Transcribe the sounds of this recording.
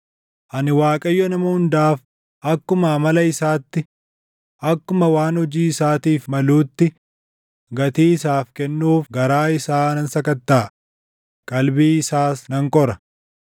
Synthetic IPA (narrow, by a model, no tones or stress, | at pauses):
ʔɐnɪwaːkʼɐjːɔnɐmɐhʊnd̪aːf | ʔɐkːʊmɐmɐlɐɪsaːt̪ːɪ | ʔɐkːʊmɐwaːnhɔd͡ʒiːɪsaːt̪iːfmɐluːt̪ːɪ | ɡɐt̪iːɪsaːfkɛnːuːfɡɐɾaːɪsaːnɐnsɐkɐt̪ːaː | kʼɐlbiːɪsaːsnɐŋkʼɔɾɐ